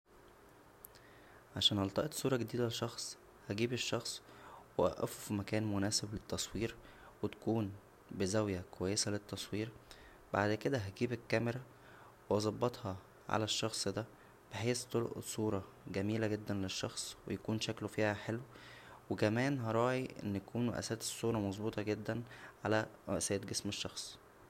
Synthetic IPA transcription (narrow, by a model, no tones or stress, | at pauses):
ʕaʃæːnhɑlt̪ˤɑʔet̪sˤuːɾˤɑɡed̪iːd̪æleʃɑxsˤ | hæɡiːbeʃːɑxsˤweʔæ̰ʔæ̰fufimækæːnmonæːseblet̪ːɑsˤwiːɾ | wet̪æ̥kuːn | bezæwjækowæjːesælet̪ːɑsˤwiːɾ | baʕd̪ked̪æɦæɡiːbekːæmeɾæ | wʔɑzˤɑbːɑt̪hɑ | ʕa̰læʃːɑxsˤd̪æ | b̥eħeːst̪olʔḛsˤuːɾˤɑ | ɡæmiːlæɡed̪ːænleʃːɑxsˤwejækuːnʃæklofiːhæħelwwekæmæːnɦɑɾˤɑːʕiʔḛnːj̪ækuːnwɑ̰ʔæ̰sæːt̪e̥sˤːuːɾˤɑmɑzˤbuːt̪ˤɑɡed̪ːænʕalæɾʔæsæːt̪̚ɡesmeʃːɑxsˤ